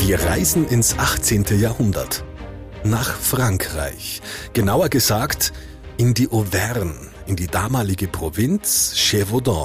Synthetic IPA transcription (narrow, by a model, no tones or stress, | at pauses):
viːɐʁaɪzn̩ɪnsʔaχt͡seːntʰəjaːɐhʊndɐ̰t | naːχfʁ̥aŋkʁ̥a̰ɪçɡ̥ənaʊɐɡəzaːkt | ʔɪndiːʔovɛʁn | ɪndiːdaːmaːlɪɡəpʁ̥ovɪnt͡sʃevodɔ̰̃